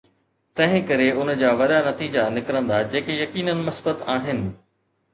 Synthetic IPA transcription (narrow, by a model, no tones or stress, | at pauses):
t̪ɐ̃ɦɪ̃kɐɾeʊnəd͡ʑaːʋɐɗanɐt̪iːd͡ʑanɪkɾə̃nd̪ad͡ʑeːkejɐkiːnənɪ̆mɐsbət̪aːɦɪnɪ̆